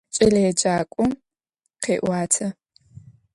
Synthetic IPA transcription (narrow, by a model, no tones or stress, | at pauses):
t͡ʃʼɐlɐjɛd͡ʒaːkʷʼʊm | qʰeːʔʷaːtʰɐ